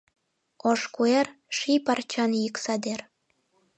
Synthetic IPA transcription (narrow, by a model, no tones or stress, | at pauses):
oʃkuerʃipɑrt͡ɕɑnjiksɑd̪er